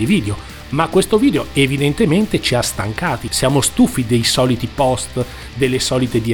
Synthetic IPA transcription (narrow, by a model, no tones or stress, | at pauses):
iviːd̪eo | makːwest̪oviːd̪eoevid̪ent̪ement̪et͡ʃiast̪a̰ŋkaːt̪isjaːmost̪ufːid̪ejsɔːlit̪ipɔst̪ | d̪elːesɔːlit̪ed̪i